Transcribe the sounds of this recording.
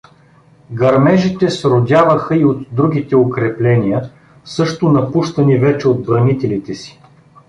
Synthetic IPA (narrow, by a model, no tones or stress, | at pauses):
ɡɐɾmɛʒit̪ɛsɾod̪ʲavəxəiot̪d̪ɾuɡ̟ʲit̪ɛokɾɛplɛnijə | sɤʃt̪ʊnɐpuʃt̪ɐnivɛt͡ʃɛod̪̚bɾɐmit̪ɛlit̪ɛsi̥